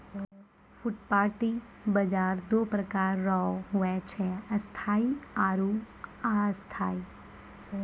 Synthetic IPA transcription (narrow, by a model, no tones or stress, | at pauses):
fuʈpaɾʈi | bəd͡ʒaɾd̪opɾəkaɾːɔɦuɛt͡ʃʰeəst̪ʰaiaɾu | aəst̪ʰai